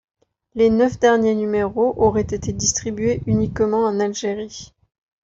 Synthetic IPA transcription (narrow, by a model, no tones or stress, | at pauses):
lenœfd̪ɛʁnjenymeʁoʔɔʁɛt̪et̪ed̪ist̪χibɥeʔynikmɑ̃ɑ̃nalʒeʁi